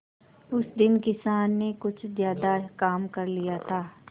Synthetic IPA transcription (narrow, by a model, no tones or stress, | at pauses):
ʊsd̪ɪnkɪsaːnːekʊt͡ʃʰzjaːd̪akaːmkɐɾlijat̪ʰaː